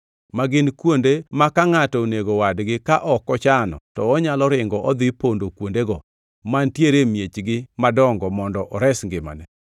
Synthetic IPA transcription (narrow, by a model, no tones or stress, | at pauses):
maɡɪnkwondemakaŋatɔoneɡowadɡɪkaʔɔkɔt͡ʃanɔ̰tɔɔɲalɔɾɪŋɡɔʔɔd̪ɪpondokwondeɡɔ | mantjeɾemjet͡ʃɡɪmadɔŋɡɔmɔndɔʔɔɾɛsŋɡɪma̰nɛ